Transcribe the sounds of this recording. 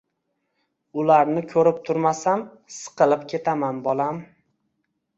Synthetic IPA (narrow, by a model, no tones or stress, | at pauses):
ʊlaɾnɪkʲʰɵɾɪp̚t̪ʰʊɾmasam | sɨ̥qɨlˠɪpkʲʰe̞t̪ʰamanbɒlˠam